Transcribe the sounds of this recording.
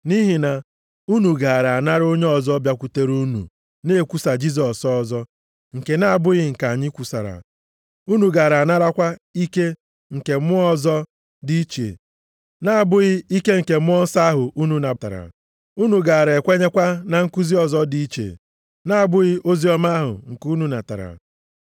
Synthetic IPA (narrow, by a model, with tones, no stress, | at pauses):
ni˦ɦi˨na˨ | u˦nu˨ɡa˨a˨ɾa˨na˦ɾo˦ɲe˦ɔ˨zɔ˦bja˦kʷu˨te˦ɾu˦nṵ˨ | ne˦˨kʷu˦˨sa˨d͡ʒi˦z̬ɔ˨sɔ˦zɔ˦ | ŋ̩˨ke˨na˦a˨bʊ˦ɣɪ˦ŋ̩˨ka˨ɲɪ˦kʷu˨sa̰˨ɾa̰˨ | u˦nu˨ɡa˨ɾa˨na˦ɾa˦kʷa˦i˦ke˦ | ŋ̩˨ke˨˦mʊ˦ɔ˦zɔ˦ | di˦i˦t͡ʃḛ˨ | na˦a˨bʊ˦ɣɪ˦i˦ke˦ŋ̩˨ke˨mʊ˦ɔ˦n̩˦sa˦ɦʊ˨u˦nu˨na˨ta̰˨ɾa̰˨ | u˦nu˨ɡa˨a˨ɾe˨kʷe˦ɲe˦kʷa˦na˨ŋ̩˦ku˦zi˦ɔ˨zɔ˦di˦i˦t͡ʃḛ˨ | na˦a˨bʊ˦ɣɪ˦ʔo˦zi˦ɔ˦ma˦a˦ɦʊ̰˨ŋ̩˨ku˦nu˨na˨ta̰˨ɾa̰˨